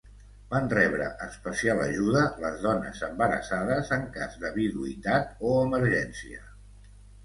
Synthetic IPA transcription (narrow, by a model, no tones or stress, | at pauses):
banrɛβɾə̰ʔəspəsialə̰ʒuðələzðɔnə̰zəmbəɾə̰saðəzəŋkazðəβiðuit̪at̪̚oəməɾʒɛnsiə